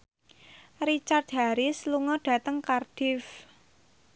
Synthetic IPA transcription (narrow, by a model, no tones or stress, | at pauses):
rit͡ʃard̪̚ɦaɾɪsluŋɔɖ̥ä̤t̪əŋkarɖ̥ɪf